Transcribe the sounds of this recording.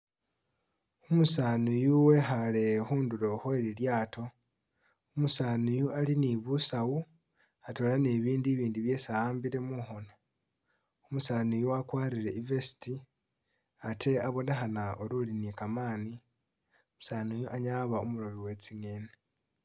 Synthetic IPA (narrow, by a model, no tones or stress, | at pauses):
umusaːnujuwe̞ɦale̞huːnduɾo̞hoeɾiljaːtʰo̞ | umusaːnujualiniβusawu | ato̞ːlane̞βiːndiβiːndiβje̞saaːmbiɾe̞muxo̞na | umusaːnujuwakwaːɾiɾe̞ivesi̥ti | atʰe̞aβo̞neɦanaoɾulinikamaːni | umu̥saːnujuʔaɲaːβaumuɾo̞βiwe̞t͡siŋe̞ːne